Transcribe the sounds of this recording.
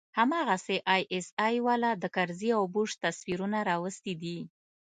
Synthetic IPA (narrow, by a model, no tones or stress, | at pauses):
hamɑɣaseʔɑjʔesɑjwalad̪əkaɾziawbuʂt̪aswiɾunaɾɑwəst̪id̪i